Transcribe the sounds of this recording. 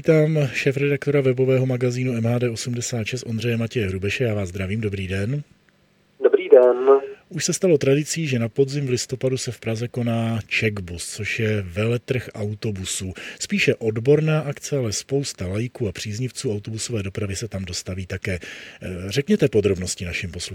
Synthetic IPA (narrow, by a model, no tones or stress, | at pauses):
iːt̪aːmʃɛːfɾɛdak̚t̪o̞ɾavɛbo̞vɛːɦo̞maɡaziːnuɛmɦaːdɛːʔo̞sumdɛsaːt̪ʃɛst̪ʔo̞nd̪r̝ɛjɛmacɛjɛɦɾubɛʃɛjaːvaːzd̪ɾaviːmdo̞bɾiːdɛn | dobɾiːdɛnʔuʃsɛst̪alo̞t̪ɾadɪt͡siːʒɛnapo̞dzɪmvlɪst̪o̞padusɛfpɾazɛko̞naːt͡ʃɛɡbust͡so̞ʃjɛvɛlɛt̪r̩xʔawt̪o̞busuːspiːʃɛʔo̞dbo̞ɾnaːʔakt͡sɛalɛspo̞wst̪alajɪkuːapr̝̥iːzɲɪft͡suːawt̪o̞buso̞vɛːdo̞pɾavɪsɛt̪amdo̞st̪aviːt̪akɛː | r̝ɛkɲɛt̪ɛpo̞d̪ɾo̞bno̞scɪnaʃɪmposlu